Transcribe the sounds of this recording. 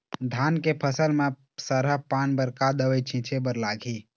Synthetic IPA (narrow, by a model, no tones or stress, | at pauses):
d̪ʱaːnkepʰəsəlmẽ | səɾəpaːnbəɾkad̪əwəjt͡ʃʰĩt͡ʃʰebəɾlaːɡʱi